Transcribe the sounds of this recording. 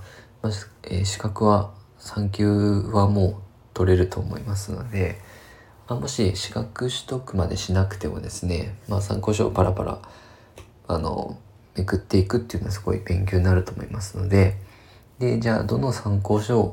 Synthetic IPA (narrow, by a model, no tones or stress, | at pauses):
maḛːɕi̥kakɯ̟βa | sãŋkʲɨːβamo̞ː | t̪o̞ɾe̞ɾɯ̟t̪o̞ːmo̞̰imasɨno̞d̪e̞ | amo̞ɕiɕi̥kakɯ̟ɕi̥t̪o̞kɯ̟mad̪e̞ɕinakɯ̟̥t̪e̞mo̞̰d̪e̞sɨne̞maːsã̰ŋko̞ːɕo̞ːpaɾapa̰ɾa̰ | ano̞̰ | mekɯ̟t̪ːe̞ikɯ̟t̪ːeiɯ̟noasɨ̥ɡo̞̰ibẽ̞ŋk̬ʲoːɲʲnaɾɯ̟t̪oːmo̞imasɨno̞d̪e̞ | d̪e̞d͡ʑaːd̪o̞nosãŋko̞ːɕo̞ː